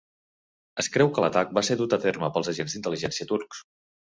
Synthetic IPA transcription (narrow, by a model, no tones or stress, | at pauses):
əskɾɛwkələt̪ak̚baseðut̪əferməpəlˠzəʒenzd̪int̪əliʒɛnsiət̪uɾks